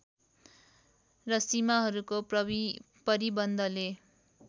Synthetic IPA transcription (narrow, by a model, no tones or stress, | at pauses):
rʌsimaɦʌɾukopʌi | pʌɾibʌnd̪ʱʌle